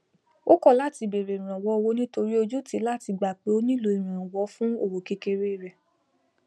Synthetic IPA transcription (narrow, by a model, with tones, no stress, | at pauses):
o˦kɔ˦˨la˦ti˧be˨ɾe˨i˨ɾ̃ã˨wɔ˧˦o˧wo˧˦nĩ˦to˧ɾi˦o˧d͡ʒu˦ti˨˦la˦ti˧ɡ͡ba˨k͡pe˨˦o˦nĩ˦lo˧i˨ɾ̃ã˨wɔ˨˦fũ˦o˧˨wo˨ke˧ke˧ɾe˦i˦˨ɾɛ˨